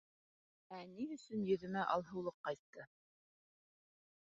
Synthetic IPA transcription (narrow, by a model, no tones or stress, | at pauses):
æniɵ̆sɵnjɵ̆ðɵ̆mæʔɑlˠɦɤ̆wlˠɤqːɑjt̪ːɤ